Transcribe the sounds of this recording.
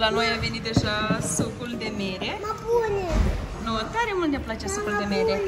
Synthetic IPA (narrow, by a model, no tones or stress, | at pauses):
lano̞jave̞nit̪̚d̪e̞ʒasukuld̪e̞meɾemabunʲenot̪aɾe̞mult̪nʲeplat͡ʃesukuld̪emeɾe